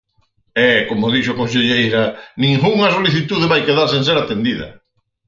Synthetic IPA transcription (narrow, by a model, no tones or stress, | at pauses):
ɛkomoðiʃʊakõns̬eʎejɾɐnĩŋɡuŋɐsoliθit̪uðeβajkeðaɾs̬ẽnseɾat̪end̪iðɐ̰